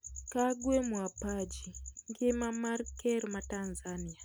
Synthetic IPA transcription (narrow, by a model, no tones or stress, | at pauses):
kaɡwemwapad͡ʒiŋɡemamaɾikeɾimatanzania